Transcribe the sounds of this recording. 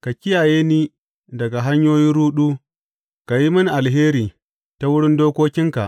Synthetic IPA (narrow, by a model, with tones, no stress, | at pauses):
ka˨kʲɪ˦jaː˨jeː˦niː˦ | dɐ˨ɡa˨ɦa˦ɲjoː˦ji˦ɾuː˦ɗuː˦ | ka˨ji˦mɐ˦n˨ʔa˨lɦeː˦ɾiː˨ | ta˦wʊ˦ɽɪ˦ndoː˦kʷoː˦kʲɪ˦ŋka˨ʔ